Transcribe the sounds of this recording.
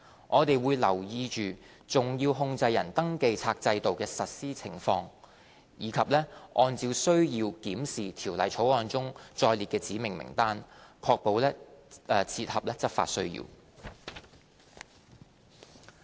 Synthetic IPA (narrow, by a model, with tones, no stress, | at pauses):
ŋʔɔː˨˧t̪e˨jwuː˨˧jlɐ̰˨˩wjiː˧t͡ʃyː˨ | t͡sʊ˨˩ŋjiː˧wɦʊ˥˧ŋt͡sɐ˧jːɐ˨˩nt̪ɐ˥ŋke˧jt͡sʰaː˧k̚t͡sɐ˧jt̪o˨wkɛː˧sɐ˨t̚siː˥t͡sʰɪ˨˩ŋfɔː˧ŋ | jiː˨˧kʰɐ˨p̚lɛː˥ʔɔː˧nt͡siː˧wsɵ˥ɥjiː˧wkiː˨˥msiː˨t̪ʰiː˨˩wlɐ˨˩jt͡sʰo˨˥wɔː˧nt͡sʊ˥ŋt͡ʃɔː˧jliː˨t̚kɛː˧t͡siː˨˥mɪ˨˩ŋmɪ̰˨˩ŋt̪aː˥nkʰɔː˧k̚po˨wlɛː˥˨ | t͡sʰiː˧t̚hɐ˨p̚lɛː˥t͡sɐ˥t̚fa̰ː˧t̚sɵ˥ɥjḭː˧w